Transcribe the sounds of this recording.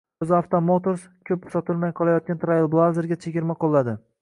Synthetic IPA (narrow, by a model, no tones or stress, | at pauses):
ʊzaft̪ʰomot̪oɾskʲʰɵp̚sɒt̪ʰɪlˠmajqʰɒlˠajɒt̪̚kʲant̪ʰɾajɪlˠblˠazeɾɡʲat͡ʃʰeɡʲɪɾmaqʰolˠːad̪ɪ